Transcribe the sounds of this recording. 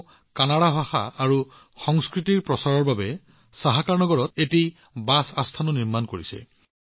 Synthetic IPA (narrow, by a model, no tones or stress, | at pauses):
kanaɽaɦaxa̰ːɹu | xɔŋskɹitiɹpɹɔsaɹɔɹbabɛ | saɦakaɹnɔɡɔɹɔteti | basastʰanʊniɹmankoɹisɛ̰